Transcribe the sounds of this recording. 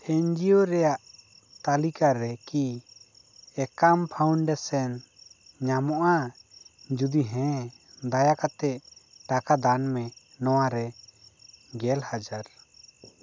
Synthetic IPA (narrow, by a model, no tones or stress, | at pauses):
ɛɲd͡ʒioɾɛjaʔ | t̪alikaɾɛki | ɛkampʰawɳɖɛsɛn | ɲamɔʔa | d͡ʒud̪iɦɛ̃ | d̪ajakat̪ɛʔʈakad̪anmɛ | nɔwaɾɛ | ɡɛlhad͡ʒaɾ